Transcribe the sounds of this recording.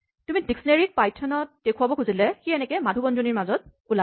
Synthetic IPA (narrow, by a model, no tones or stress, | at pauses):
tumidiksɔneɹik̚pajtʰɔnɔt̚d̥ekʰuabɔkʰuzilɛxiɛnɛkɛmadʱubɔnzoniɹmazɔt̚ | ula